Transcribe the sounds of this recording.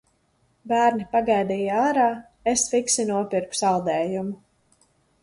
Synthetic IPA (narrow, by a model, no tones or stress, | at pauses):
bæːɾnipaɡajd̪iːjaːɾaː | esfiksinuɔpiɾku̥salˠd̪ɛːjumu